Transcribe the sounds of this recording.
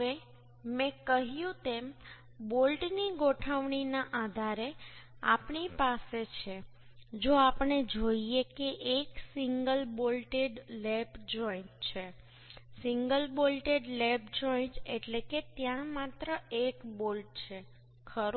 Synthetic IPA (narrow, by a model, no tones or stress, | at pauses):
e | mẽkəɦjũt̪em | bolʈniɡoʈʰəʋɳinaʔad̪ʱaɾea̰pɳipaset͡ʃʰe | d͡ʒoapɳed͡ʒoiekeʔeksiŋɡəlbolʈeɖlebd͡ʒɔiɳʈ̚t͡ʃʰe | siŋɡəlbolʈeɖlebd͡ʒɔiɳʈeʈleket̪jãmat̪ɾəʔekbolʈ̚t͡ʃʰe | kʰəɾ